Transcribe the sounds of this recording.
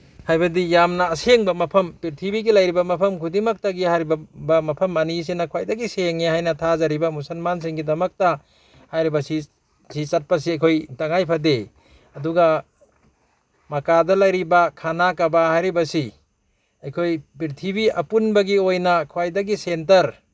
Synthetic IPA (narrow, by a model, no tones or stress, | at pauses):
hajbɐdijamnaːseŋbamɐpʰɐmpiɾtʰibiɡilajɾibamɐpʰɐmkʰudimak̚taɡihaɾibbamɐpʰɐmːanis̬inakʰwajdaɡiseŋehajnɐtʰazaɾibamusɐlmans̬iŋɡidɐmɐk̚ta | hajɾibasi | sit͡ʃat̚pas̬iajkʰojtaŋajpʰade | ɐduɡa | makadɐlajɾibakʰanakabahajɾibasi | ajkʰojpiɾtʰibiɐpunbaɡiojnakʰwajdaɡisentɐɾ